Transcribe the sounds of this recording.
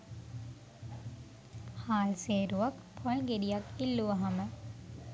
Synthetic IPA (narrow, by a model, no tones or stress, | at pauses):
haːlseːɾuʋɐkpʰolɡeɾijɐkilːuʋɐɦamə